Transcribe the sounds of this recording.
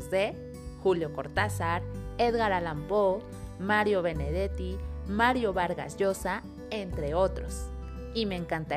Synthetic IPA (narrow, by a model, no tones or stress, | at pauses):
sd̪e | xuljokoɾt̪asaɾeðɣaɾalampo | maɾjoβeneðet̪imaɾjoβaɾɣa̰sjosa | ent̪ɾeot̪ɾos | imeŋkant̪a